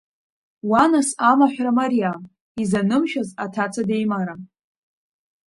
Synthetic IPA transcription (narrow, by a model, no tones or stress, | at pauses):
wanasamaħʷᶣramarija | izanɨmʃᶣazatʰat͡sʰade̞jmaɾa